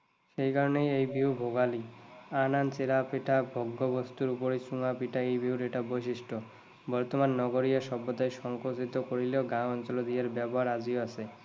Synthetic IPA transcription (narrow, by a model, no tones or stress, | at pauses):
ʃejkaɾonejejbʱiwbʱoɡalianant͡ɕeɾapeʈʰabʱoɡːobost̪uɾupoɾesuŋapiʈaejbʱiuɾeʈabojʃiʃʈo | bɔɾt̪omanːɔɡoɾijaʃɔbːot̪aeʃɔŋkot̪it̪okoɾileoɡãɔnt͡ɕolod̪ijaɾbɛboɦaɾad͡ʑioasʰe